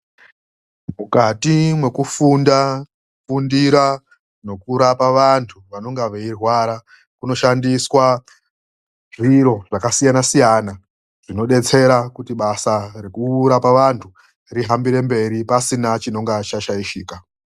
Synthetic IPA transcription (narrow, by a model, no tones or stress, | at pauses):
mukatimwe̞kufunda | fundiɾa | no̞kuɾapaʋantʰuʋano̞ŋɡaʋeirwaɾa | kuno̞ʃandiswa | ʐiɾo̞ʐakasijanasijana | ʐ̥ino̞ɗe̞t͡se̞ɾakutiɓasare̞kuːɾapaʋantʰu | riɦambiɾe̞mbe̞ɾipasinat͡ʃino̞ŋɡat͡ʃaʃaiʃiːka